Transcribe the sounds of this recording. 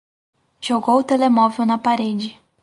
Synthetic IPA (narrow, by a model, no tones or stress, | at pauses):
ʒ̥oɡowʊt̪elemɔvewnɐpaɾed͡ʒɪ